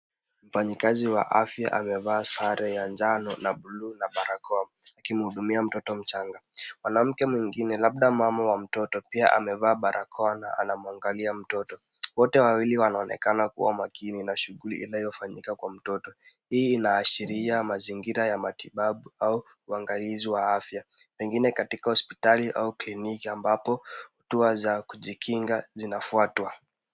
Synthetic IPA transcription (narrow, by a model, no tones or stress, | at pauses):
m̩faɲikaziwa̰ʔafja̰ʔamɛvaːsaɾɛjaɲd͡ʒanɔnaɓulunaɓaɾakɔa | akim̩huɗumiam̩tɔtɔm̩t͡ʃaŋɡamwanam̩kɛmwiŋɡinɛlaɓ̚ɗamamawam̩tɔtɔpia̰ʔa̰mɛvaːɓaɾʔakʰɔana̰a̰namuaŋɡaliam̩tɔtɔ | wɔtɛwawiliwanaɔnɛ̰kanakṵwa̰umakʰininaʃuɣulḭʔilaijɔfaɲḭkakwam̩tɔtɔ | hiːnaːʃiɾiamaziŋɡiɾajamatiɓaɓuau | uaŋɡaliziwaafjapɛŋɡinɛkatikahɔspitaliʔa̰uklinikiambapɔhɔtuazakuʄikʰiŋɡazinafuatwa